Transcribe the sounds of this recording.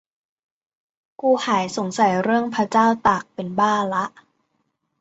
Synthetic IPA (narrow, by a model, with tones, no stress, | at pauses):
kuː˧haː˨˩˦jso˨˩˦ŋsa˨˩˦jɾɯ˥˩əŋpʰa˦˥t͡ɕaː˥˩wt̪aː˨˩k̚pe˧nbaː˥˩la˦˥ʔ